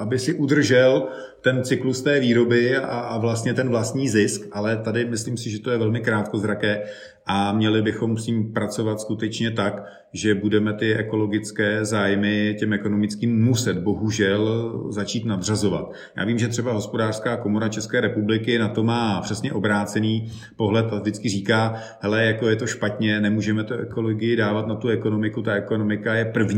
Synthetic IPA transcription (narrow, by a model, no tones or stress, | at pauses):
ʔabɪsɪʔud̪r̩ʒɛl | t̪ɛnt͡sɪklust̪ɛːviːɾo̞bɪaʔavlast̪ɲɛt̪ɛnvlast̪ɲiːzɪskʔalɛt̪adɪmɪsliːmsɪʒɛt̪ojɛvɛlmɪkɾaːt̪̚ko̞zɾakɛː | ʔamɲɛlɪbɪxo̞msɲiːmpɾat͡so̞vat̪skut̪ɛt͡ʃɲɛt̪ak | ʒɛbudɛmɛt̪ɪɛ̰ko̞lo̞ɡɪt͡skɛːzaːjmɪcɛmʔɛko̞no̞mɪt͡skiːmːusɛt̪bo̞ɦuʒɛlzat͡ʃiːt̪nadr̝azo̞va̰t̪ | ja̰ːviːmʒɛt̪r̥ɛbaɦo̞spo̞daːr̥skaːko̞moɾat͡ʃɛskɛːɾɛpublɪkɪnat̪o̞maːpr̥ɛsɲɛʔo̞bɾaːt͡sɛniː | po̞ɦlɛt̪avdɪt͡skɪriːkaː | hɛlɛjako̞jɛt̪o̞ʃpat̪ɲɛnɛmuːʒɛmɛt̪uʔɛko̞loɡɪjɪdaːvat̪nat̪uɛko̞no̞mɪkut̪aɛko̞no̞mɪkajɛpr̩vɲ